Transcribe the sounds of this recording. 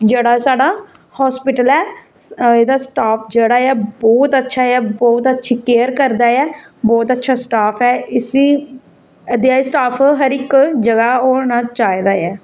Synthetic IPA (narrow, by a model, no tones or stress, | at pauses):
d͡ʒeːɽaːsaːɽaːhɔːspɪʈəlɛː | eːd̪aːsʈaːpʰd͡ʒeːɽaːɛːbɔːt̪ətːʃʰaːɛːbɔːt̪ətːʃʰiːkeːəɾkəɾd̪aːɛː | bɔːt̪ətːʃʰaːsʈaːpʰɛːɪsiː | əd̪eaːisʈaːpʰɦəɾɪkd͡ʒəɡaːoːnãːt͡ʃaːid̪aːɛː